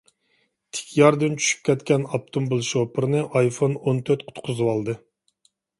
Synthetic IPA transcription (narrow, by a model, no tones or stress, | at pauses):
t̪ʰɪ̥kʲʰjɑɾd̪ɨnt͡ʃʰy̥ʃy̥p̚kʲʰɛt̪kʲɛnɑp̚t̪ʰombɨlˠʃopɨɾɨnɨʔɑjfonont̪ʰøɾt̪qʰʊ̥t̪qʰʊzɨwɑlˠd̪ɨ